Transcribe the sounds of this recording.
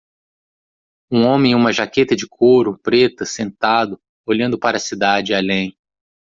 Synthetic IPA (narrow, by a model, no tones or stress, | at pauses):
ũõmẽj̃ũmɐʒaket̪ɐd͡ʒɪkʰoɾʊpɾet̪ɐsẽnt̪ad̪ʊ | oʎɐ̃nd̪ʊpaɾɐsid̪ad͡ʒɪalẽj̃